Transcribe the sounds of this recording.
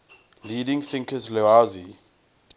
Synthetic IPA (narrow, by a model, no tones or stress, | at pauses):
lidĩŋsɪ̃ŋkʰəslɛazi